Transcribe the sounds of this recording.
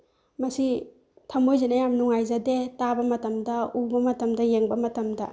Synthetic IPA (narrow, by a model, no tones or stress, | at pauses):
mɐsi | tʰɐmojzenɐjamnuŋajzadetabɐmɐtɐmdɐubɐmɐtɐmdɐjeŋbɐmɐtɐmdɐ̰